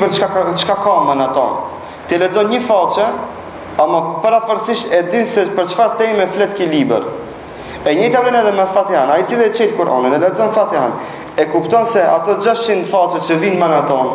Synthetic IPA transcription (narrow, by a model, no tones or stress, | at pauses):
pəɾat͡ʃkakamanat̪ɔ̰n | t̪iɛlɛd͡zɔnɲəfat͡ʃɛ | amɔpaɾafəɾsiʃt̪ɛd̪insɛpəɾt͡ʃfaɾt̪ɛjmɛflɛt̪kilibɛ̰ɾ | ɛɲɛt̪avɾinɛðɛmɛfat̪iɦanait͡silˠɛt͡ʃɛt̪kuɾʔɔ̰ninɛlɛd͡zɔnfat̪iɦa̰n | ɛkupt̪ɔnsɛʔat̪ɔd͡ʒaʃt͡ʃind̪fat͡ʃɛt͡ʃəvinmanat̪ɔn